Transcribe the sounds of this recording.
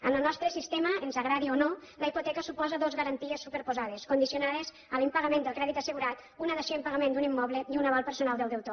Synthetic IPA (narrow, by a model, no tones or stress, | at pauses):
ənəlˠnɔst̪ɾəsist̪eməenzaɣɾaðionoləipot̪ɛkəsupɔzəðozɣəɾənt̪iesːupeɾpozaðeskund̪isionaðez | əlimpaɣamẽnd̪əlˠkɾɛðit̪ɐsəɣuɾat̪unaðeʃeimpaɣamẽnd̪unimːɔβleiunaβalˠpəɾsunalˠd̪əlˠd̪əwt̪o